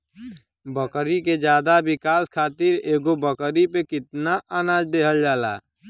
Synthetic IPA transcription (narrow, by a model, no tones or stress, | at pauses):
bəkɾiked͡ʒjaːd̪abɪkaːskʰaːt̪ɪɾeːɡobəkɾipekɪt̪naʔaːnaːd͡ʒd̪eːɦəld͡ʒaːla̰ː